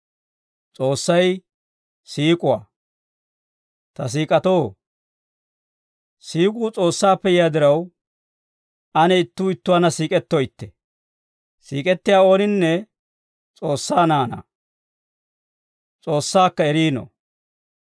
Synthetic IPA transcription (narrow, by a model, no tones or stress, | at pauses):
t͡sʼo̞ːsːɐj | siːkʼʊwa̰ː | t̪ɐs̬iːkʼɐt̪oː | siːkʼuːt͡sʼo̞ːsːaːpːɛjɪjaːd̪ɪɾɐw | ɐnɛɪt̪ːuːɪt̪ːʊwaːnɐsiːkʼɛt̪ːojɪt̪ːɛ | sḭːkʼɛt̪ːɪjaːo̞ːnɪnːɛ | t͡sʼo̞ːsːaːnaːnɐ̰ | t͡sʼo̞ːsːaːkːɐɛɾiːno̰